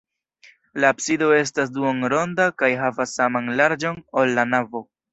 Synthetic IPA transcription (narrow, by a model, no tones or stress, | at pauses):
laːpsido̞e̞s̬tas̬duonɾo̞ndakajɦavasːamanlaɾd͡ʒo̞nolːanavo̞